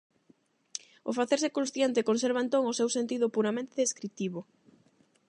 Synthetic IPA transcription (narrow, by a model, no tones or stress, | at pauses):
ʊfaθeɾsekõnsθjent̪ɪkonseɾβaent̪oŋʊsewsent̪iðʊpuɾamẽnt̪eðeskɾit̪iβʊ